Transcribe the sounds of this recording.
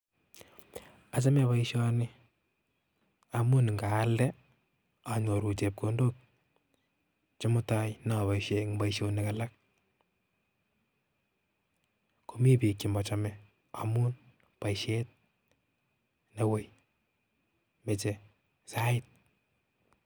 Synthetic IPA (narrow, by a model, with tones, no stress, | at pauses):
a˨t͡ʃa˦mɛβaiʃɔ˦nɪ˦ | a˨mu˦n˨ŋɡaː˨˦ldɛ | a˨ɲo˨ɾu˨t͡ʃe˨p̚ko˦ndo˦k̚ | t͡ʃe˦mʊ˦ta˦jna˨βa˨iʃe˨ŋbaiʃo˧nikala˦k̚ | kumi˦pi˨kːi˨mɔ˨t͡ʃɔmɛ | a̰mu˦n | pa˨iʃet̚ | newe˦j | me˨t͡ʃe | sa˦ɪt̚